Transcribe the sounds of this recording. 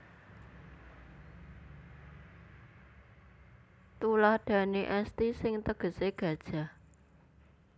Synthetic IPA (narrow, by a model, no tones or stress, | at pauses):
t̪ulahɖ̥ä̤neʔɛst̪isɪŋt̪əɡ̥ə̤seɡ̥ä̤d̥ʒ̥a̤